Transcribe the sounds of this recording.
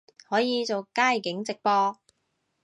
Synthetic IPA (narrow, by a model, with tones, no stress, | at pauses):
hɔː˨˥jiː˨˧t͡so˨wkaː˥jkɪ˨˥ŋt͡sɪ˨k̚pɔː˧